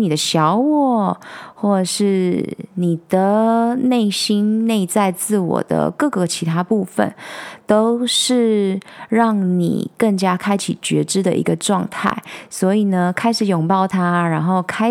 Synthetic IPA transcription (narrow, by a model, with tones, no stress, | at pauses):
ni˨d̪ə˦ɕjɑ˧˥ʊwɔ˥˩xwɔ˥˧˨ʂɻ̩˥˩ni˨˩d̪̥ə˩ne˥˩ɪɕi˥nne˥˧ɪt͡sa˥˧ɪt͡sɹ̩˥˩wɔ̰˨˩d̪ə̰˦kɤ˥˩ɡə˨˩t͡ɕʰi˧˥t̪ʰa˥pu˥˩fə̰˨˩nt̪o˥ʊʂɻ̩˥˧ɻɑ˥˩ŋnḭ˨˩kə˥˩ŋt͡ɕja˥kʰa˥ɪt͡ɕʰi˨˩t͡ɕɥɛ˧˥ʈ͡ʂɻ̩˥d̪ə̰˨ʔḭ˧˥ɡə˧ʈ͡ʂwɑ˥˧ŋt̪ʰa̰˥˩ɪswɔ˧˥i˨˩nə˩kʰa˥ɪʂɻ̩˨˩jʊ˨˩ŋpɑ˥˩ʊt̪ʰa˦˥ɻa˧˥nxo˥˩ʊkʰa˥